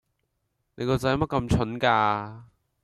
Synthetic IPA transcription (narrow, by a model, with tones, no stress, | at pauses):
ne˨˧jkɔː˧t͡sːmɐ˥t̚kɐ˧mt͡ʃʰɵ˨˥nkaː˧